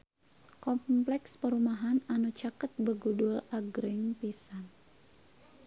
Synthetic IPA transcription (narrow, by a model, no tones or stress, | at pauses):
kɔmplɛkspəɾumaɦananut͡ʃakət̪̚bəɡudʊlaɡɾɪŋpisan